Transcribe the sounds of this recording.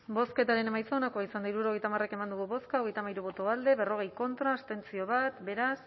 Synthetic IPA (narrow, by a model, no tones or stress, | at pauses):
bo̞ske̞t̪aɾe̞ne̞majt͡saonakoaisand̪aiɾuɾo̞ɣ̞jt̪amare̞ke̞mand̪uɣuβo̞skao̞ɣ̞e̞jt̪amajɾuβ̞o̞t̪oald̪e̞βe̞ro̞ɣe̞jko̞nt̪ɾaːst̪e̞nt͡sio̞β̞at̪be̞ɾas